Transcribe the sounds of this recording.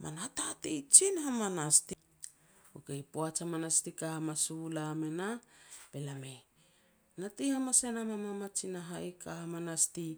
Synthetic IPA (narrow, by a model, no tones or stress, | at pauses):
ma̰natatijt͡ʃinhamanasti | okejpoat͡ʃamanastikahamasulamenape̞lame | natihamasenamamamat͡ʃinaɦajkahamanasti